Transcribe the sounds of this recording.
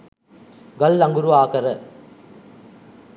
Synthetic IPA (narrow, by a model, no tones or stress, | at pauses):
ɡɐlːɐŋɡuɾuaːkɐɾɐ